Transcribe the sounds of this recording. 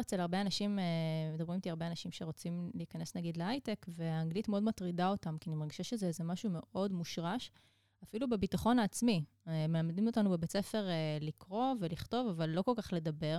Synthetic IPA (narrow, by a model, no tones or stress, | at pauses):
et͡selhaʁbeanaʃimemed̪abʁimt̪iaʁbe̞anaʃimʃe̞ʁo̞t͡simliːkane̞snaɡid̪leajtekve̞aːŋɡlitmeo̞dmatʁidao̞tamkianimaʁɡiʃaʃezezemaʃume̞ʔo̞dmuʃʁaʃ | afilubebitaχo̞naːt͡smi | melamdimotanubebet͡se̞fe̞ʁelikʁo̞ve̞liχto̞vavalːo̞ko̞lkaχle̞dabe̞ʁ